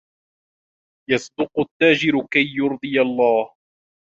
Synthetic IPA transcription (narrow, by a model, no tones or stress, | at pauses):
jɑsˤd̪ʊqʊt̪ːaːd͡ʒɪɾʊkajːʊɾd̪ˤɨjalˤːɑːh